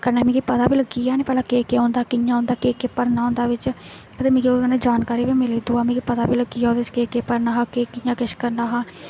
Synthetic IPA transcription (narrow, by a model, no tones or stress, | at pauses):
kəɾnaːmĩːkipət̪aːpiːləɡiːaːneːpɛːlaːkeːkeːõːnd̪aːkɪjãːõːnd̪aːkeːkeːpəɾnaːõːnd̪aːʋɪt͡ʃ | ət̪eːmĩːkioaneːd͡ʒaːnkaːɾiːbiːmɪliːd̪uːaːmĩːkipət̪aːpiːləɡiːad̪eskeːkeːpəɾnaːɦãːkeːkɪjãːkɪʃkəɾnaːɦãː